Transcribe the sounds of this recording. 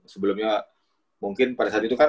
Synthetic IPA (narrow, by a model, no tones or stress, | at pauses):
səbəlʊmɲa | muŋkɪnpadasat̪it̪ukan